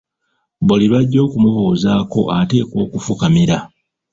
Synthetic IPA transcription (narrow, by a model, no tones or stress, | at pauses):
boliβaɟːo̞ːkumuβoːzaːko̞̰ʔate̞ːkoːkufukamiɾa